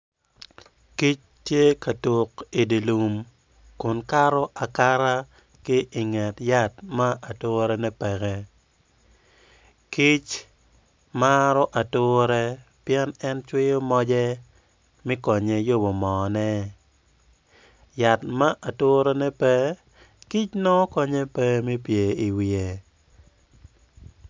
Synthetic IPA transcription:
ki˦t͡ʃ | tje˦ka˨to˨ki˨di˨lu˨m | kʊ˨nka˦ɾɔ˦ʔa˨ka˦ɾa˦ | kɪ˦ʔɪ˨ŋɛ˨tja˦t̚ma˦ʔa˨toː˦ɾɛ˦nɛ˦pɛ˨ɡɛ˦ | ki˦t͡ʃ | ma˦ɾɔ˦ʔa˨tʊ˦ɾɛ˦pjɛ˦nɛ˦nt͡ʃwɪ˦jo˦mɔ˦d͡ʒɛ˦ | mi˦kɔ˨ɲe˦jo˦bo˨mɔ˨nɛ˦ | ja˨tma˦ʔa˨toː˦ɾɛ˦nɛ˦pɛ˦ | ki˦t͡ʃnɔ˦kɔ˦ɲe˦pɛ˦mi˦pje˨i˨wi˨e˨

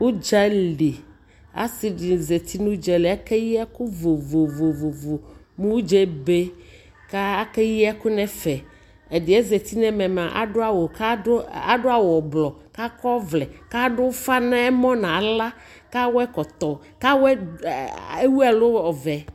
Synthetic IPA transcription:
wo˦d͡ʒa˦li˨ | a̰˦si˨di˨ze˨t̪ʰi˦nũ˦d͡ʒɛ˨le˨a˦kɛ˦ji˦a˦ku˦vo˨vo˨vo˨vo˨vo˨ | mũ˦d͡ʒɛ˦be˦ | ka˦a˦kɛ˦ji˦a˦kʊ˦nɛ̃˦fɛ˨ | e˨dɪ˨ɛ˦ze˨t̪i˦nɛ̃˦mɛ̃˨m˨ã˨ʔa˨˦a˦˨wo˨ka˦a˨ɖʊ˦a˦˨wɔ˨blɔ˨ka˦kɔ˦vlɛ˨ka˦ɖʊ˦fa˦nã˦ɛ˦mɔ̃˦nã˨la˦ | ka˦wɛ˦kɔ˨t̪ɔ˨ | ka˦wɛ˦ | e˦wu˦a˨lo˦ɔ˨vɛ˨

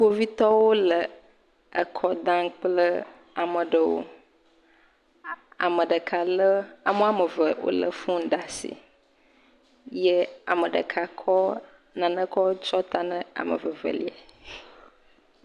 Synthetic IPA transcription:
k͡po˦vi˦t̪ɔ˦wo˦lə˨ | ə˨kʰɔ˦d̪ã˦k͡plə˦ | a˨mə̃˨ɖə˨wo̰˦ | a̰˨mə˨ɖə˨kʰa˨lə˦a˨mə̃˦a˨mə˨və˨wo̰˦lə̰˨fũ˦ɖa˨sḭ˨ | je˦a̰˨mə˨ɖə̰˨kʰa˨kʰɔ˦ | nã˨nə̃˦kɔ˦wt͡ʃɔ˦t̪a˦nə̃˦a̰˨mə̰˨və˨və̰˨li˦˨a̰˨

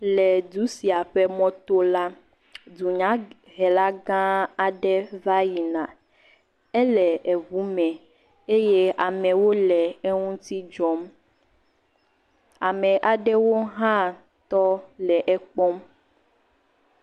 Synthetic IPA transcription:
lɛ˨du˨˦si˨a˨ɸɛ˦mɔ̃˦t̪o˦la˦ | du˨ɲã˨˦ | ɦɛ˨la˦ɡã˦a˨ɖɛ˦va˦ji˨nã˨ | ɛ˦lɛ˨ʔe˨βu˨˦mɛ̃˨ | e˦je˦ʔa˨mɛ̃˨wo˦lɛ˨e˦ŋũ˦t̪i˦d͡ʒɔ˦m | a˨mɛ˨ʔa˨ɖɛ˦wo˦ɦã˦ | t̪ɔ˦lɛ˨ʔɛ˦k͡pɔ˦m

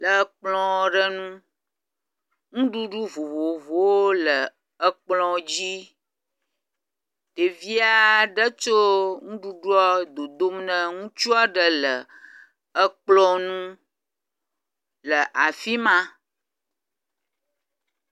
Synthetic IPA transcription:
lə˨˦k͡plɔ̃˨ɖə˦nũ˦ | ŋũ˦ɖu˦ɖu˦vo˨vo˨vo˨wo˦lə˨ | ə˦k͡plɔ̃˨d͡ʑi˦ | t̪e˨vi˦a˦ɖə˦t͡ʃo˦ŋũ˦ɖu˦ɖu˦ɔ˦d̪o˨d̪o˦mnə̃˦ŋũ˦t͡ʃu˦a˦ɖə˦lə˨ | ə˦k͡plɔ̃˦nũ˦ | lə˨ʔa˨fi˦mã˦

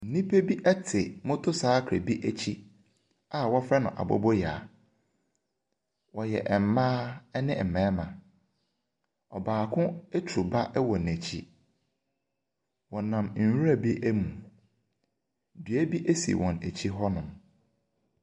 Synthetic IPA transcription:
n̩˨˦nĩ˦pʰe˦bi˦ʔɛ˦tʰɪ˨mʊ̃˦tʰʊ˦saː˦kʰɾɛ̰˨bi˦ʔæ˨t͡ɕʰi˦ | a˨wɔ˦fɾɛ˦nʊ̰̃˨ʔa̰˨bɔ̰˦bɔ˦ja˨ | wɔ˨jɛ̰˨ʔm̩˨˦mãː˦ɛ˦nɪ̃˦˨mɛ̃ː˨˦mã˨ | ɔ˨baː˨kʰʊ̃˦æ˦tʰu˨ba˦ʔɛ˦wɔ˨n˨æ˨t͡ɕʰḭ˦ | wɔ˨nã˨mn̩˨hu˦ɾæ˨bi˦ʔæ˦mũ˨ | dɥæ˦bi˦ʔe˦sḭ˨wʔɔ̃˨næ˨t͡ɕʰi˦ɦɔ˦nʊ̃˨m

